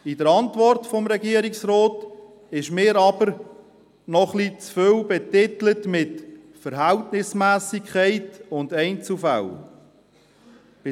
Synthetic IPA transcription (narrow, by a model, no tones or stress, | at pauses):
ɪdəɾɑntvɔrtfɔmɾɛɡiːəɾiksɾoːt | ɪʃmɪːɾɑbəɾ | nɔχlit͡sfølbɛtɪtlətmɪt | fəɾɦæltnɪsmæːsikʰχɛɪtʊndɛɪnt͡sufa̰l | b̥ɪ